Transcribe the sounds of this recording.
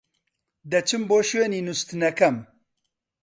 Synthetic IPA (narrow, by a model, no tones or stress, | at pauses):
d̪ɐt͡ʃʰɨmboːʃweːniːnust̪ɨnɐkɐm